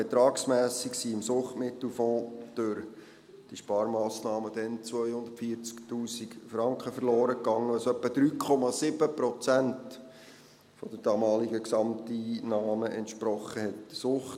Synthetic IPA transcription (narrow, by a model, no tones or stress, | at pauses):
ɛt̪ɾɑːksmæːsiksiɪmsʊχtmɪt̪l̩fɔ̃ːd̪̥øɾ | d̥iʃpɑːɾmɑːsnɑːməd̥̪ɛnt͡sʋœjhʊnd̪ə̥tfiːəɾt͡sktuːsikfɾɑŋkχəfəɾloːɾəkːɑŋːəɑsœpːəd̥̪ɾyːkʰɔmɑsɪbəpɾɔt͡sænt | fɔd̥̪əɾd̥ɑːmɑːliɡəksɑmt̪iːnɑːməʔɛntʃpɾɔχəhɛt̚sʊχt